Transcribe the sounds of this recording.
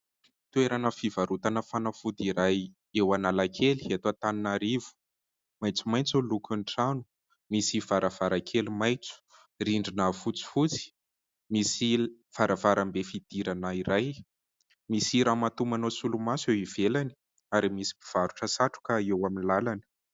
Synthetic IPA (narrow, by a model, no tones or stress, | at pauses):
t̪ueɾanəfivaɾut̪anəfanəfud̪iɾaj | ewanalakʰeli̥et̪oat̪aninaɾivu̥ | majt͡sumajnt͡sulukuɳʈ͡ʂanu̥ | misiv̥aɾʔav̥aɾakʰelimajt͡su̥ | riɳɖ͡ʐinafut͡si̥fut͡si̥ | misiv̥aɾavaɾambefid̪̥iɾanəiɾaj | misiɾamat̪umanosulumasewiv̥elani̥ | aɾimisi̥i̥v̥aɾuʈ͡ʂəsaʈ͡ʂu̥kaewaminilalanə̥